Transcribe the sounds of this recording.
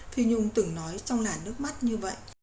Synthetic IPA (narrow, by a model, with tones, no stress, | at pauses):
fi˧ɲʊ˧ŋ͡mt̪ɨ˨˧˩ŋnɔ˨˦jt͡ɕɔ˧wŋ͡mlaː˨˩nɨ˦˥ək̚ma˦˥t̚ɲɨ˧və̰˧˨jʔ